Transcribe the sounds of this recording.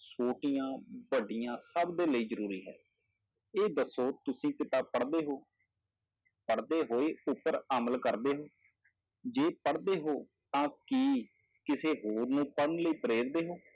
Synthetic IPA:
soːʈijãːbəɖɪjãːsəbd̪eːləiːzəɾuːɾiːɦɛ̰ː | eːd̪əsoːt̪ʊsĩːkɪt̪aːpəɽd̪eːɦoː | pəɽd̪eːɦoːeːʊpːəɾəməlkəɾd̪eːɦoː | d͡ʒeːpəɽd̪eːɦoː | t̪ãːkiː | kɪseːɦoːɾnũːpəɽənləiːpəɾeːɾd̪eːɦoː

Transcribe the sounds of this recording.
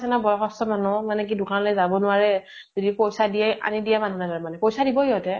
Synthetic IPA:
sɛnabɔjɔxɔstɔmanʊmanɛk̬idʊkanlojzabɔnʊaɹɛ | zɔdipojsadijɛa̰nidijɛmanunataɹmanɛpojsadibɔjɔtɛ

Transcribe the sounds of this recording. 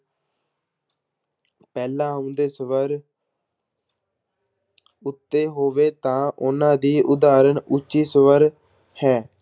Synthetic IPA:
pɛːlãːʊ̃nd̪eːsəʋəɾ | ʊt̪ːeːɦoːʋeːt̪ãːʔʊnãːd̪iːʔʊd̪aːɾənʊt͡ʃːiːsəʋəɾ | hɛː

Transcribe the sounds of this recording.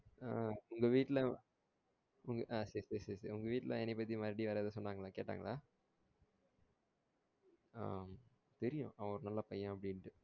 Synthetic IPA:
aːʊŋɡɐʋiːʈːlɐ | ʊŋɡɐʔaːsɐɾiseɾiseːɾiseɾʊŋɡɐʋiːʈːlʔɐ̰ɛnːɛpːɐt̪̬ːimɐɾɽiʋɐɾaːðɐsɔnːaːŋɡɐɭaːkeːʈːa̰ːŋɡɐɭaː | a̰ː | t̪ɛɾɪjʊ̰̃ʔɐʋɐ̃ɔɾɯnɐlːaːpɐjːãɐpːɐɽɪnʈːɯ

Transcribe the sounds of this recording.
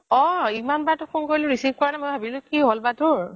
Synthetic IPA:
ɔ̃imanbatʊkʰunkoɹilʊ̃ɹisip̚kɔɹanaɛmojbʱabilʊkiɦolbatʊɹ

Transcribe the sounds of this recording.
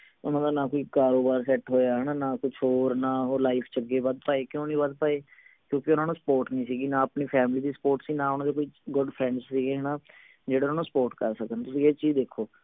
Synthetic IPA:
ʊnãːd̪aːnãːkoːiːkaːɾoːbaːɾsɛːʈɦoːjaːɦɛːnaːnãːkʊt͡ʃʰoːɾnãːɦoːɾlaːipʰt͡ʃəɡeːbəd̪̚paːeːkjõːnĩːbəd̪̚paːeːkjõːkɪʊnãːnũːsə̥poːɾʈnĩːsiːɡiːnaːəpniːpʰɛːmɪliːd̪iːsə̥poːɾʈsĩːnãːɦʊnãːd̪eːkoːiːɡʊɖpʰɾɛ̃ɳɖssiːɡeːɦɛːnaː | d͡ʒeːɽeːnaːnũːsə̥poːɾʈkəɾsəkənt̪ʊsĩːeːt͡ʃiːd̪eːkʰːoː

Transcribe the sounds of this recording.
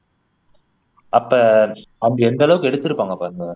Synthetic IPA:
ʔɐpːɐːɐnd̪ɐɛnd̪ɐɭɐʋɯkːɯɛɽɯt̪ːɪɾɯpːaːŋɡɐpaːɾɯŋɡɐ

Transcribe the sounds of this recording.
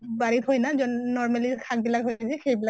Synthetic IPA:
baɹit̪ɦojnazɔnːɔɹmalikʰak̚bilakɦozɛxejbilak

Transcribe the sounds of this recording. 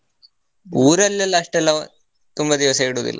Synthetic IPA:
uːɾɐlːɐlːɐːʂʈɛlːɐ | t̪umbɐd̪iʋɐsɐiɽuːd̪ḭlːʔɐ

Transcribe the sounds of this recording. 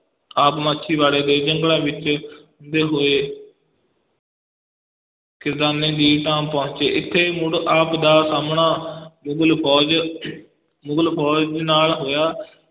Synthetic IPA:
aːpmaːʃʰiːʋaːɽeːd̪eːd͡ʒəŋɡɽãːʋɪt͡ʃʊnd̪eːɦoːeː | kɪɾd̪aːnẽːd̪iːʈaːmpɔ̃ʊɲt͡ʃeːʔɪt̪ʰːeːmʊɽaːpd̪aːsaːmɳaːmʊɡlpʰɔːd͡ʒ | mʊɡəlpʰɔːd͡ʒnaːlɦoːjaː

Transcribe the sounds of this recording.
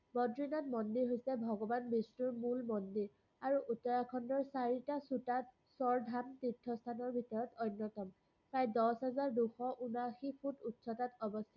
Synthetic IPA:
bɔdɹinatmɔndiɹɦojsɛbʱɔɡɔbanbisnuɹmulmɔndiɹ | aɹuʔutːɔɹakʰɔndɔɹsaɹitasutat | sɔɹdʱamtitʰːɔstʰanɔɹbʱitɔɹɔtɔjnːɔtɔm | pɹajdɔsɦazaɹduxɔʔunaxipʰututsɔtatɔbɔstʰa

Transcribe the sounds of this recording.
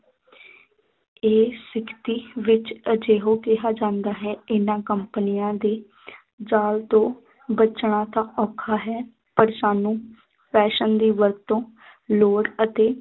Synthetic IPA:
eːsɪkʰt̪iːʋɪt͡ʃəd͡ʒeːɦõːkɪɦaːd͡ʒãːnd̪aːɦɛːɪnãːkəmpnɪjãːd̪eː | d͡ʒaːlt̪õː | bət͡ʃɳ̃ãːt̪ãːʔɔːkʰaːɦɛː | pəɾsaːnũː | pɛːʃənd̪iːʋəɾt̪ːõː | loːɽət̪eː

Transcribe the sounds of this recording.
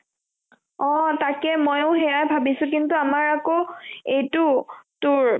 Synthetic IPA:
ɔ̃takɛmojoʊɦɛɹajbʱabisʊ̃k̬intuamaɹakoejtʊtʊɹ

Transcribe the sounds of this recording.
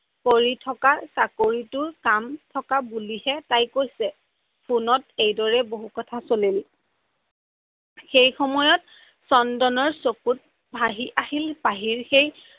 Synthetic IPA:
poɹitʰɔkasakoɹitʊɹkamtʰɔkabulihɛtajkojsɛ | pʰunɔtejdɔɹɛboɦukɔtʰasolil | xejxɔmɔjɔt | sɔndɔnɔɹsokut̚ | bʱaɦiʔahilpaɦiɹxej

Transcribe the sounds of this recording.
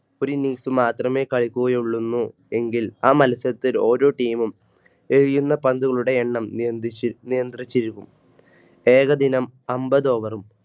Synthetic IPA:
o̞ɾuniːsumaːt̪rɐme̞ːkɐɭikʲːuɣɐjuɭːunːu | e̞ŋɡilaːmɐlɐsɐɐt̪ːilo̞ːɾo̞ːʈiːmum | e̞ɻijunːɐpɐnd̪uɣɐɭuɽe̞eɳːɐm | nijɐnd̪rit͡ɕːiɾukːum | e̞ːɣɐd̪inɐmɐmbɐðo̞ːʋɐrum

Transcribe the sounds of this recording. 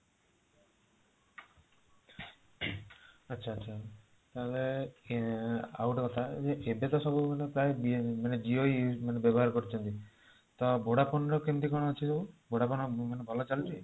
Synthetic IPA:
ɐtːʃʰaːtːʃʰa | t̪aɦle | a̰wʈɔkɔt̪ʰaed͡ʒeʔebet̪ɔsɔbumanepɾaebimaned͡ʒioimanebjɔbɔɦaɾkɔɾit͡ʃʰɔnt̪i | t̪ɔbʱoɽapɔnɾɔkemt̪ikɔɽ̃ɔːt͡ʃʰisɔbubʱoɽapɔnmanebʱɔlɔt͡ʃalit͡ʃʰi

